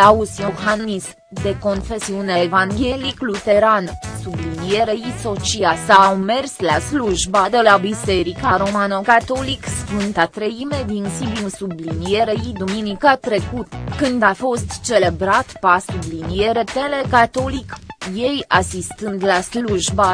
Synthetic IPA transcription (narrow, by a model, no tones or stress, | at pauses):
ausio̞hannism | d̪e̞ko̞nfe̞siuneːvaŋɡʲe̞liklut̪e̞ɾansublinije̞ɾeiso̞t͡ʃiasawme̞rslasluʒbad̪elabise̞ɾikaɾo̞manokat̪o̞liksfɨnt̪at̪ɾeime̞d̪insibimsublinije̞ɾeid̪uminikat̪ɾe̞kut̪kɨnd̪afo̞st̪t͡ʃe̞le̞bɾat̪pasublinije̞ɾe̞t̪e̞le̞kat̪o̞likje̞jʔasist̪ɨnd̪lasluʒba